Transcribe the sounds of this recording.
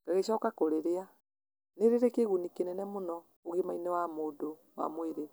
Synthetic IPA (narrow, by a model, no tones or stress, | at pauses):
ŋɡ̥aɣeɕɔːkakoɾeɾea | neɾeɾekeɣunikenɛnɛmonɔ | oɣemainɛwamoːdo | wa̰mweɾe